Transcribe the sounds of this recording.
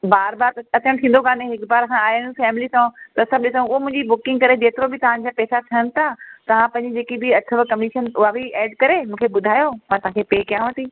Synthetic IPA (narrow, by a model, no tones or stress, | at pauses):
baːɾbaːɾɐt̪ʰəɽ̃t̪ʰĩːn̆d̪oɡãːnẽɦɪkbaːɾɐsãaːjnfɛːmɪlisãt̪ɐsɐ̃bɗɪsõʊɦomʊ̃ɪ̃ɲd͡ʑibʊkɪ̃ŋɡkɐɾed͡ʑeːt̪ɪɾobɪt̪ɐʋ̤ãɲd͡ʑapɛːsat̪ʰɐənɪ̆t̪ʰat̪ɐʋ̤ãpɐ̃ɦɪ̃ɲd͡ʑid͡ʑeːkibiɐt̪ʰəʋkɐmiʃənʊɦabʱiɛːɖkɐɾemũːkʰebʊd̪ʱaːjomãːt̪ɐʋ̤ɦãkʰepeːkijãːʋɐt̪iː